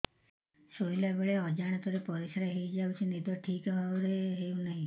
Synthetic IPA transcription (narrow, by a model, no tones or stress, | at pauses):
soilabeɭeɔd͡ʒaɽ̃ɔt̪ɔɾepɔɾisaɾeɦejd͡ʒawt͡ʃʰinid̪ʱɔʈʰikaɾeɦeunaɦĩ